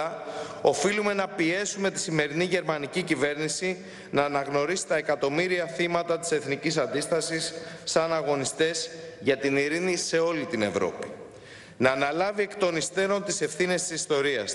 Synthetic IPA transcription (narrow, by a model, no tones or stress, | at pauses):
ɐo̞filume̞nɐpie̞sume̞t̪i̥sime̞ɾiniʝe̞ɾmɐnicicive̞ɾnisi | nɐːnɐɣno̞ɾisi̥t̪ɐe̞kɐt̪o̞miɾiɐθimɐt̪ɐt̪i̥se̞θnicis̬ɐnd̪ist̪ɐsisːɐnɐɣo̞nist̪e̞zʝɐt̪iniɾinise̞o̞lit̪ine̞vɾo̞̰pi̥ | nɐːnɐlɐvie̞kt̪o̞nist̪e̞ɾo̞nt̪ise̞fθine̞st̪i̥sist̪o̞ɾiɐ̰s